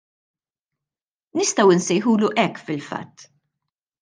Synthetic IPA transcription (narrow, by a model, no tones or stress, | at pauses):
nɪst̪ɐwɪnsɛjħuːluʔɛkːfɪlfɐ̰t̪ː